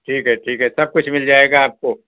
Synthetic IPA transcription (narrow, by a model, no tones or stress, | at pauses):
ʈʰiːkɦɛʈʰiːkɦɛsɐb̚kʊt͡ʃʰmɪld͡ʒaːeːɡaːp̚ko